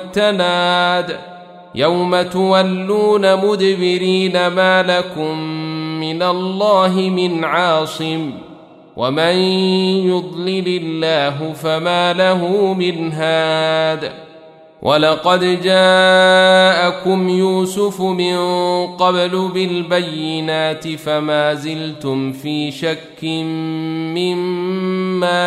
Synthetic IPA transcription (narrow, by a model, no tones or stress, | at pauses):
t̪ːanaːd̪ | jawmat̪ʊwalːuːnamʊd̪bɪɾiːnamaːlakʊmːɪnalˤːɑːɦɪmɪnʕɑːsˤɨm | wʔa̰manjʊd̪ˤlɪlɪlːaːɦʊfamaːlaɦʊmɪnɦaːd̪aː | wʔa̰lɑqɑd̪d͡ʒaː | ʔakʊmjuːsʊfmɪnqɑblʊbɪlbajːɪnaːt̪ɪfamaːzɪlt̪ʊmfiːʃakːɪmːɪmː | aː